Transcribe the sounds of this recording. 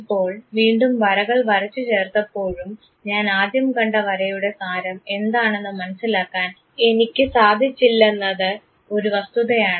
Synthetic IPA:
ipːo̞ːɭʋiːɳɖumʋɐɾɐɣɐɭʋɐrɐt͡ɕːut͡ɕe̞ːrt̪ɐpːo̞ːɻum | ɲaːnaːd̪jɐmkɐɳɖɐʋɐɾɐjuɽe̞saːɾɐme̞nd̪aːɳe̞nːɨmɐnɐsːilaːkːaːn | e̞nikʲːɨsaːd̪ʱit͡ɕːilːenːɐðɨ | o̞ɾuʋɐst̪uðɐjaːɳɨ

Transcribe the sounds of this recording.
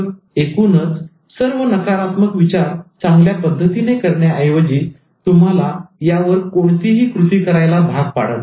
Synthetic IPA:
ekunət͡s | səɾʋənəkaɾat̪məkʋit͡ɕaɾt͡saŋɡljapəd̪ʱːət̪inekəɾɳjaəjʋəd͡ʑiː | t̪um̤alajaʋəɾkoɽt̪iɦiːkɾut̪iːkəɾajlad̪ʱas̚pa̰ɽ̤ə̰t̪

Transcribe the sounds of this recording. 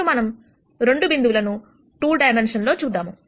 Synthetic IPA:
umɐnɐm | ɾe̞ɳɖubind̪uʋlɐnu | ʈuːlɖɐjmenʂɐnlo̞ːt͡ʃuːd̪ːaːmu

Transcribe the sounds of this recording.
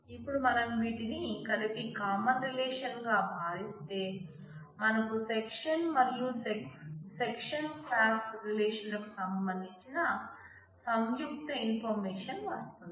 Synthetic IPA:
ipːuɽumɐnɐmʋiːʈinikɐlipikaːmɐnɾilɛːʂɐnɡaːbʱaːʋist̪e̞ː | mɐnɐkusekʂɐnmɐɾjusesekʂɐnpʰaːksɾilɛːʂɐnlɐku̥sɐmbɐnd̪ʱiɲt͡ʃinɐ | sɐmjukt̪ɐinpʰɐɾmeːʂɐnʋɐst̪und̪i

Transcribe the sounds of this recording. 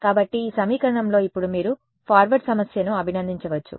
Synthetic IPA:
kaːbɐʈːiːsɐmiːkɐɾɐɳɐmlo̞ːipːuɽumiːɾu | pʰaːɾʋɐɾɖsɐmɐsjɐnuɐbʱinɐnd̪ʱiɲt͡ʃɐʋɐt͡ʃːṵ

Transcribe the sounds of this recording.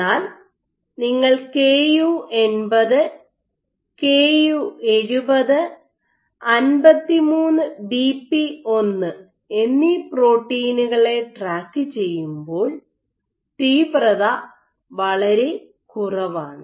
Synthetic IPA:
aːl | niŋːɐɭke̞ːjuːe̞nbɐðɨ | keːjue̞ɻubɐðɨ | ɐnbɐt̪ːimuːnːɨbiːpːio̞nːɨ | e̞nːipro̞ːʈːiːnuɣɐɭe̞ʈraːkːɨt͡ɕe̞jːumbo̞ːɭ | ʈiːprɐða | ʋɐɭɐɾe̞ | kurɐʋaːɳɨ

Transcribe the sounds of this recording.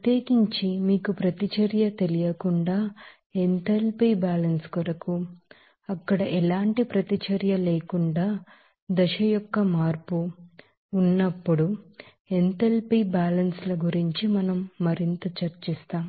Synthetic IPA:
ɐt̪jeːkiɲt͡ʃimiːkupɾɐt̪it͡ʃɐɾjɐt̪e̞lijɐkuɳɖaː | ent̪elpibaːlɐnskuɾɐku | ɐkːɐɽɐʔɛlaːɳʈipɾɐt̪it͡ʃɐɾjɐleːkuɳɖaː | d̪ɐʃɐjɔkːɐmaːɾpuː | nːɐpːuɽu | ent̪elpibaːlɐnslɐɡuɾiɲt͡ʃimɐnɐmːɐɾint̪ɐt͡ʃɐɾt͡ʃist̪aːm

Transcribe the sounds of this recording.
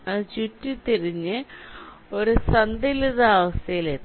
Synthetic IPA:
ɐðɨt͡ɕutːit̪iɾiɲːɨ | oɾusɐnd̪iliðaːʋɐst̪ɐjileːt̪ː

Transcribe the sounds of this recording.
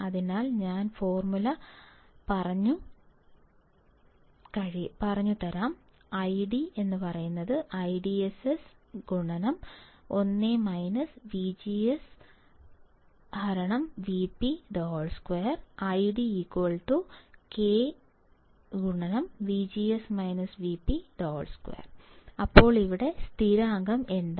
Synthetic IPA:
ɐðinaːlɲaːnfo̞ːrmulɐpɐrɐɲːu | kɐɻipɐrɐɲːut̪ːɐɾaːm | ɐjɖie̞nːɨpɐrɐjunːɐðɨʔɐjɖiesesɡuɳɐnɐmo̞nːemɐjnɐsʋid͡ʑies | hɐɾɐɳɐmʋipːid̪oːɭskwejɐrɐjɖiiːkwɐlʈukeː | ɡuɳɐnɐmʋid͡ʑiːesmɐjnɐsʋiːpːid̪oːɭskwḛːrɐpːo̞ːɭiʋiɽe̞st̪ʰiɾaːŋɡɐme̞nd̪

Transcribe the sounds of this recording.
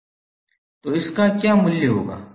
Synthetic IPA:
t̪oːɪskakjaːmʊljeɦo̰ːɡa̰ː

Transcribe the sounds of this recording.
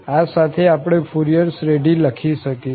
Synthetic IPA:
asat̪ʰeapɽ̃efuɾijəɾsɾeɖiləkʰiʃəki

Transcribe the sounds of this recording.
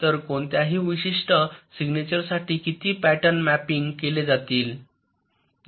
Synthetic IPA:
t̪əɾkoɳt̪jaɦiːʋiɕiʂʈəsiɡnet͡ɕəɾsaʈʰiːkit̪ʰiːpæʈənmæpiŋɡkeled͡zat̪iːl

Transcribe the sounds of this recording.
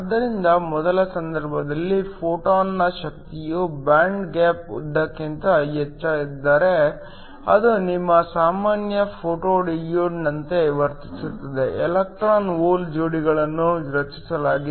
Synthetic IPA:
ɐd̪ːɐɾind̪ɐmɔd̪ɐlɐsɐnd̪ɐɾbʱɐd̪ɐlːipʰoːʈoːnːɐʃɐk̚t̪ijubaːɳɖɡaːpṵd̪ːɐkːint̪ɐjɐt͡ʃːɐid̪ːaːɾe̞ | ɐ̰d̪unimːɐsaːmaːnjɐpʰoːʈoːɖijoːɖnɐnt̪e̞ʋɐɾt̪i̥sut̪ːɐd̪e̞ɛlɐk̚ʈɾaːnoːld͡ʒoːɽiɡɐɭɐnːuɾɐt͡ʃi̥sɐlaːɡi

